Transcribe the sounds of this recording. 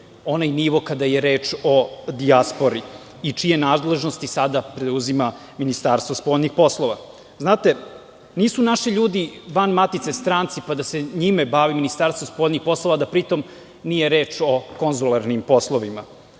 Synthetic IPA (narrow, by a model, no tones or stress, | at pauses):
o̞najniʋokad̪ajeɾe̞ːt͡ʂo̞d̪iaspo̞ɾi | it͡ʂije̞naːd̪le̞ʒnost̪isad̪apɾeuzima | minist̪aːɾst̪ʋospoʎʲnixpo̞slˠoʋa | znaːt̪e̞ | niːsunaʃiʎuːd̪iʋanmat̪it̪se̞st̪ɾaːnt̪sipad̪ase̞ɲimebaʋiminist̪aɾst̪ospoːʎʲnixpo̞slˠo̞ʋad̪apɾit̪o̞m | nije̞ɾeːt͡ʃo̞konzulˠaɾnimpo̞slˠoʋima